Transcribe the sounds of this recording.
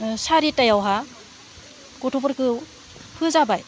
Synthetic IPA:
saɾitajawɦa | kotʰopɯɾkɯ | pʰɯzabaj

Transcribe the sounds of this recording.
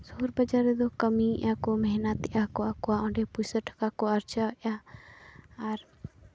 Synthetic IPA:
sɔɦuɾbəd͡ʒaɾɛd̪ɔkəmiʔakɔmɛɦnat̪ɛʔakɔakɔwaɔ̃ɳɖɛpujsəʈʰkakɔaɾt͡ʃaʔa | aɾ

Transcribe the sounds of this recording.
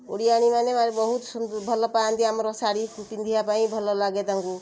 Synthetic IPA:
oɽijaɽ̃imanemaɾebʌɦut̪sunbʱʌlːɔpajant̪ʰiamɾɔsaɽikutind̪ʱijapaĩbʱʌlːɔlaɡet̪aŋku

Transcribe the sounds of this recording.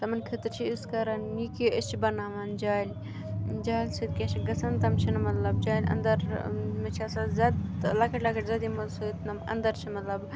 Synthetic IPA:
t̪ɐmɐnkʰit̪ɨt͡ʃʰiiskɐɾɐnnikijoest͡ʃʰibɐnaːʋɐnd͡ʒaːlʲ | d͡ʒaːlʲsɨt̪̚kʲet͡ʃʰiɡɐsɐnt̪ɐmt͡ʃʰinɐmɐt̪lɐbd͡ʒaːlʲɐ̰nd̪ɐɾmɐt͡ʃʰiasɐzad̪lɐkɐʈlɐkɐʈzad̪imɐsɨt̪nɐmɐ̰nd̪ɐɾt͡ʃʰimɐt̪lɐb

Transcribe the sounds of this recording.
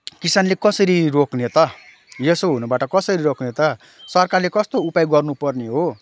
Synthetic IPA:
kisanlekʌsʌɾiroknet̪ʌ | jesoɦunubaʈʌkʌsʌɾiɾoknet̪ʌ | sʌrkarlekʌst̪oupajɡʌrnupʌrneɦo

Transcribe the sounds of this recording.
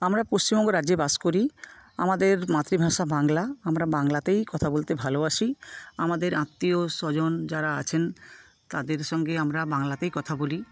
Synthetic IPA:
amɾapost͡ɕimbɔŋɡoɾad͡ʑebaskoɾia̰mad̪eɾmat̪ɾibʱaʃabaŋlaamɾabaŋlat̪ejkɔt̪ʰabolt̪ebʱaloaʃiamad̪eɾãt̪ːioʃɔd͡ʑond͡ʑaɾaat͡ɕʰen | t̪ad̪eɾʃɔŋɡeamɾabaŋlat̪ejkɔt̪ʰaboli

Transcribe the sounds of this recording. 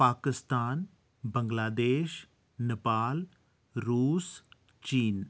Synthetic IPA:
paːkɪst̪aːn | bə̃ŋɡlaːd̪eːʃ | nɪpaːl | ɾuːs | t͡ʃiːn

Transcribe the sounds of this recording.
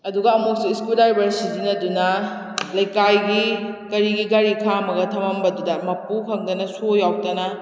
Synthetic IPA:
ɐduɡɐːmuk̚siiskuldajbɐɾsitinɐdunɐ | lɐjkajɡikɐɾiɡiɡɐɾikʰamɐɡɐtʰɐmɐmbɐdudɐmɐpukʰɐŋdɐnɐsojaw̚tɐnɐ

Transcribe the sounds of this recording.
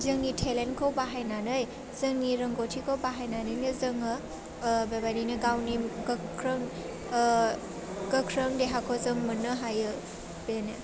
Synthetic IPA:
zɯŋnitʰelenkʰowbaɦajnanɯj | zɯŋniɾɐŋɡotʰikʰowbaɦajnanɯjnɯzɐŋɯ | bebaniniɡawniɡɐkʰɾɐŋ | ɡɐkʰɾɐŋdeɦakʰowzɯŋmɯnɯɦajɯ | bene

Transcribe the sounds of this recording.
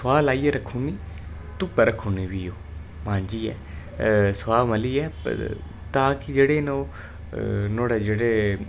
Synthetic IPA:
sʊʋaːlaːiːɛːɾəkʰːuːniː | t̪ʊpəɾəkʰːuːneːʋiːoː | mãːɲd͡ʒiːɛ̰ː | swaːməliːɛ̰ː | t̪ãːkɪd͡ʒeːɽeːnoː | noːɽeːd͡ʒeːɽeː

